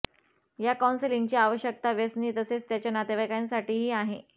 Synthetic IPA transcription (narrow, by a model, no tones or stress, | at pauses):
jakawnseliŋɡt͡ɕiːaʋəɕjək̚t̪aʋjəsniːt̪əset͡st̪jat͡ɕjanat̪eʋajkansaʈiːɦiːaɦe